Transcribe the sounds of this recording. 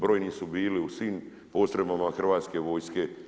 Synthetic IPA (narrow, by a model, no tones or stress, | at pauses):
bɾo̞ːjnisubiːliusʋiːm | po̞t̪ɾebamaxr̩ʋaːt̪ske̞ʋo̞ːjske̞